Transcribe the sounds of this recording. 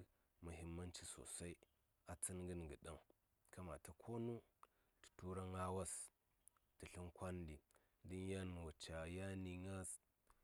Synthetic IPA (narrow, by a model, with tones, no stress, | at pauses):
mu˨ɦi˦mːa˦nt͡ʃi˦so̰˨sa˦i˦ | a˨t͡si˦nɡə˦n˨ɡə˨ɗa˦ŋ | kʰa˦ma˨ta˨kʰo˦nu˦ | ti̥˨tu˦ɾa˦ŋa˦wa˦s | ti˨ɬi˦nkʷa˦ndi˨ | di˦n˦ja˦n˨wa˨t͡ʃa˨ja˦ni˨ŋa˦s